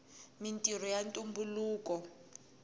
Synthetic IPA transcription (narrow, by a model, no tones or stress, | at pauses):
mintʼir̤ɔjantʼumbuluːkɔ